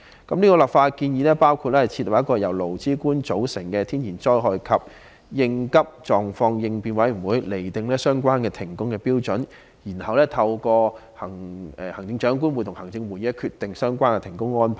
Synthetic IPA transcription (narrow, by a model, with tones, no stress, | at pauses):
kɐ˨˦mniː˥kɔː˧lɐ˨p̚faː˧t̚kiː˧njiː˨˧lɛː˥paː˥wkʰu˧t̚lɛ˥hɐ˨jt͡sʰiː˧t̚lʊ˨˩jɐ˥kːɔː˧jɐ˨˩wlo˨˩wt͡siː˥kuː˥nt͡ʃo˨˥wsɪ˨˩ŋkɛː˧t̪ʰiː˥njiː˨˩nt͡ʃɔː˥jɦɔː˨jkʰɐ˨p̚ | jɪ˧ŋkɐ˥p̚t͡ʃɔː˨˩ŋfɔː˧ŋjɪ˧ŋpiː˨nwɐ˨˥jm̩˨˩wuː˨˧jle˨˩jt̪ɪ˨˧ŋlɛː˥sœː˥ŋkʷaː˥nkɛː˧t̪ʰɪ˨˩ŋkʊ˥ŋkɛː˧piː˥wt͡ʃɵ˨˥n | jiː˨˩nhɐ˨wlɛː˥t̪ʰɐ˧wkɔː˧hɐ˨˩ŋɛː˨˩hɐ˨˩ŋt͡sɪ˧ŋt͡ʃœː˨˥ŋk̬uː˥nwu˨˧t̪ʰʊ˨˩ŋhɐ˨˩ŋt͡sɪ˧ŋwu˨˩ji˨˦˥kʰyː˧t̪̚ːɪ˨ŋsœː˥ŋkʷaː˥nkɛ˧t̪ʰŋkʊ˥ŋːɔː˥npʰa˨˩